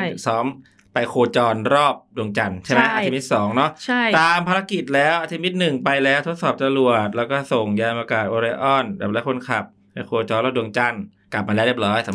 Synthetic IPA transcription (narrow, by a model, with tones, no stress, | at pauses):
sɔː˦˥m | pa˧jkʰoː˧t͡ɕɔː˧nɾɔː˥˩p̚du˧əŋt͡ɕa˧nt͡ɕʰa˥˩ma˦˥ʔa˧i˧mi˦˥t̪̚sɔː˩˦ŋnɔ˦˥ʔt͡ɕʰa˥˩jt̪aː˧mpʰa˧ɾa˦˥ki˨˩t̪̚lɛː˦˥wʔa˧t̪ʰi˧mi˦˥t̪̚nɯ˨˩ŋpa˧jlɛː˦˥wt̪ʰo˦˥t̪̚sɔː˨˩p̚t͡ɕ̪a˧lu˨˩ət̪̚lɛː˦˥wkɔː˥˩so˨˩ŋjaː˧npaː˧kaː˨˩t̪̚ʔoː˧ɾa˧ʔɔ˥˩nbɛː˨˩lɛ˦˥kʰo˧nkʰa˨˩p̚ | da˧jkʰoː˧t͡ɕɔː˧nɾɔː˥˩p̚du˧əŋt͡ɕa˧˩n | ka˨˩p̚ma˧lɛː˦˥wɾi˥˩p̚ɾɔː˦˥jsa˨˦